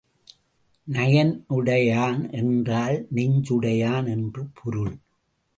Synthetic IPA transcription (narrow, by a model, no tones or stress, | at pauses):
nɐjɐnɯɽɐjaːnɛndraːlnɪɲd͡ʒɯɽɐjaːnɛndrɯpʰʊɾɯɭ